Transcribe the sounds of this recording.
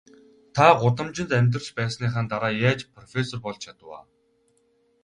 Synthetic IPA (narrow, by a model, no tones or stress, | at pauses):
t̪ʰaɢʊt̪ə̆mt͡ɕɪ̆nt̪æmʲt̪̬rə̆rt͡ɕpæːsniːχaːnt̪aɾaːjaːt͡ɕpʰrɔfʲesɔrpɔɮt͡ɕt͡ɕʰat̪ə̆wa̰ː